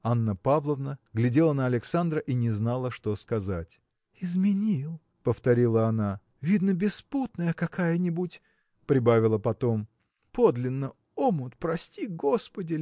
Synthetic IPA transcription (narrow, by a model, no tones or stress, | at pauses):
anːəpavlˠəvnəɡlʲɪdʲe̞lˠənəɐlʲɪksand̪ɾəʔinʲɪznalˠəʂt̪o̞skɐzatʲ | ɪzmʲɪnʲilˠ | pəft̪ɐɾʲilˠəɐna | vʲid̪nəbʲɪsput̪nəjəkɐkajənʲɪbutʲ | pɾʲɪbavʲɪlˠəpɐt̪o̞m | pod̪lʲɪnːə | omʊt̪pɾɐsʲtʲiɡo̞spədʲɪ